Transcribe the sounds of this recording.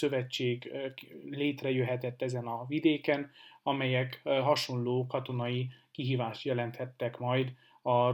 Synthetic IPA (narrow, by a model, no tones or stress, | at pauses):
ø̞vɛt͡ʃːeːɡ | leːt̪rɛjøɦɛt̪ɛt̪ːɛzɛnɒvid̪eːkɛnɒmɛjɛkɦɒʃo̞nloːkɒt̪o̞nɒikiɦiːvaːʃt̪jɛlɛnt̪hɛt̪ːɛkmɒjd̪ | ɒ